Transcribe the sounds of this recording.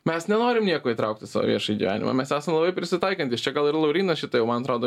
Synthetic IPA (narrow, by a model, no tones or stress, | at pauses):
mʲɛsnʲɛnoːɾʲɪmnʲiɛkoːiːt̪ɾɐʊk̚t̪ʲɪsɑ̰ːʋo̰ʋʲiɛʃɐjiɡʲḭʋʲæ̰ːnʲɪ̰mɐ̰mʲɛsæːsɐmlˠɐbɐɪpʲɾʲɪsʲɪt̪ɐɪkɐnt̪ʲɪst͡ʃʲɛɡɐlˠɪɾlˠɐʊɾʲiːnɐʃʲɪt̪ɐjɛʊmɐnɐt̪ɾoːd̪oː